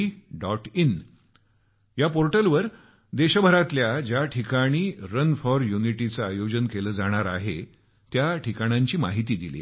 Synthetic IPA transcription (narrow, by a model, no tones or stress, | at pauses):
ɖɔʈin | japoɾʈəlʋəɾ | d̪eɕəbʱəɾat̪ljad͡ʑjaʈʰikaɽ̃iːɾənfɔɾjuniʈit͡saːjod͡ʑənkeləːd͡zaɽ̃aɾaɦe | t̪jaʈʰikaɽ̃jaɲt͡ɕiːma̰ɦit̪iːd̪ilḭː